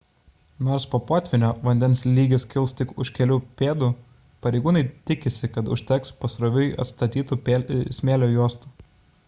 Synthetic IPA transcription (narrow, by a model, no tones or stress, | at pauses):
noːɾspoːpoːt̪ʲʋʲɪnʲoːʋɐnʲd̪ʲɛnsʲlʲiːɡʲɪskʲɪlˠst̪ʲɪkʊʃʲkʲɛlʲuːpʲeːd̪uː | pɐɾʲɛɪɡuːnɐɪt̪ʲɪkʲɪsʲɪkɐt̪ʊ̰ʃʲt̪ʲɛkspɐsɾoʋʲʊjɐ̰t̪st̪ɐt̪ʲiːt̪uːpʲeːsʲmʲeːlʲoːjuɔst̪uː